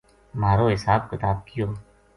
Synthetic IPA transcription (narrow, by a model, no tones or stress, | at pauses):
maːɾoːɦɪsaːb̚kɪt̪aːb̚kɪjoː